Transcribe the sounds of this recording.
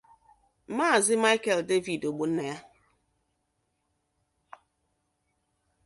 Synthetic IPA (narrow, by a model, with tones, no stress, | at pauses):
maː˦˨zɪ˦ma˦ɪ˦ke˨lde˦vi˨do˨ɡ͡bo˨n̩˦ne˨ja˦